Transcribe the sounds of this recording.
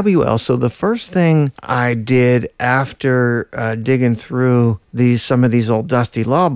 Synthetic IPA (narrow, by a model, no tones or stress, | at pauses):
bɛ̰lˠsoʊðəfɜ˞sθɪ̃ŋa̰ɪdɪɾʔæftə˞dɪɡɪ̃ŋθɹʉðiz̥sʌ̃mʌvðizoʊlˠdʌstilɔ